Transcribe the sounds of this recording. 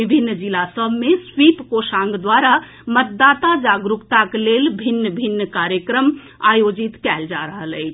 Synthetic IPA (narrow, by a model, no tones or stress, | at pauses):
ibʱinːd͡ʒilasəbʱmesʋipkosãŋɡd̪waɾa | mət̪̚d̪aːt̪ad͡ʒaɡɾukt̪aklelbʱinːəbʱinːəkaɾjəkɾəm | ajod͡ʒit̪kɛld͡ʒa̰ɾəɦələɪt͡ʃʰ